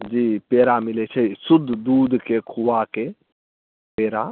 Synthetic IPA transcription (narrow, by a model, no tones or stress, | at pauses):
d͡ʒiːpeːɾamɪlet͡ʃʰɛsʊd̪ʱːd̪uːd̪ʱkekʰuʋake | peːɾa